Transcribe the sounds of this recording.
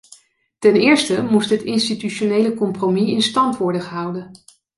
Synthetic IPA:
tɛnɪːɹstəmustɦətɪnstityʃonejləkɔmpromiɪnstɑntʋɔɹdəχəɦʌwdən

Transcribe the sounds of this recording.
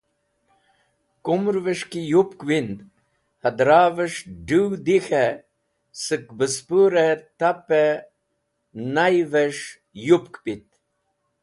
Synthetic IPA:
kumɾvəʂkijupkwind̪ | hɐd̪ɾaːvəʂɖiwd̪ixe | sɨk̚bəspuɾet̪ape | najvəʂ | jupkpit̪̚

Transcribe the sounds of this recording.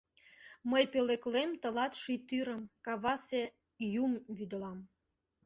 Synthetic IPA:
məjpeleklemt̪ə̆lɑt̪ʃit̪yɾə̆mkɑβɑse | jumβyd̪ə̆lɑm

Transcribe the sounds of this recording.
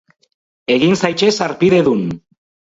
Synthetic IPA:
e̞ɣinsajt͡ʃe̞saɾpiðe̞ðun

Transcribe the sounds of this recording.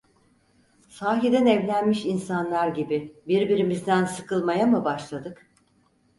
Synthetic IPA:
saːɦid̪ɛnɛvlʲænmiʃinsanlˠaɾɟibibiɾbiɾimizd̪ænsɯkʰɯlˠmajamɯbaʃlˠad̪ɯk

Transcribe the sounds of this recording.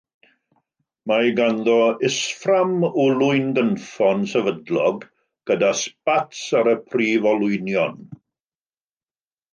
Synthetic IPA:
majɡanðɔɪsframʊlʊɨnɡənfɔnsɛvədlɔɡ | ɡ̥ədaspatsaɾəpʰrivɔlˠʊɨnjɔn

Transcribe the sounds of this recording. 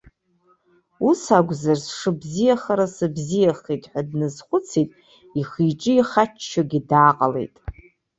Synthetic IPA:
usaɡʷzarsʂɨbzijaχaɾasɨbzijaχitʼħʷᶣadnɨzχʷʊt͡sʰitʼ | iχiʈ͡ʂʼɪiχat͡ʃt͡ʃːaɡʲidaːqʼale̞̰jtʼ

